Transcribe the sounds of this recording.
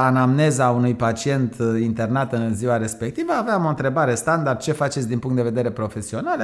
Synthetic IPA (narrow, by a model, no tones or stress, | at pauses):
anamne̞zaunujpat͡ʃie̞nt̪ʰint̪e̞rnat̪ɨnziwaɾe̞spe̞k̚t̪ivəaveamo̞ɨnt̪ɾe̞baɾest̪and̪ard̪̚t͡ʃe̞fat͡ʃe̞t̪sʲd̪inpuŋkt̪d̪eve̞d̪e̞ɾe̞pɾo̞fe̞sio̞nal